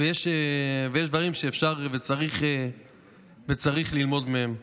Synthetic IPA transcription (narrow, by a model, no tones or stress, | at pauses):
vejeʃevejeʃ̬d̪vaʁimʃeːfʃaʁvet͡saʁiχe | vet͡saʁiχlilmo̞d̪mehem